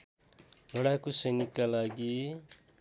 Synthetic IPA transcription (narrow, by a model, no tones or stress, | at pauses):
bʌɽakosʌjnikːalaɡi